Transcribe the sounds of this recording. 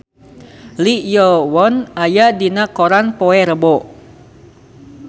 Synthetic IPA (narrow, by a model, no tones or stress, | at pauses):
lijɔwɔnajadinakoɾanpoɛɾəbɔ